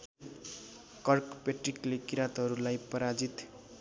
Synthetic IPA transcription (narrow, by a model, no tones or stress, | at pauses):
kʌrkpeʈriklekiɾat̪ɦʌɾulajpʌɾad͡zit̪